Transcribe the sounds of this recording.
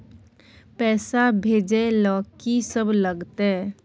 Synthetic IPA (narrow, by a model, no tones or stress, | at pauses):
pɛːsabʱeːd͡ʒelɔːkisəbləɡt̪e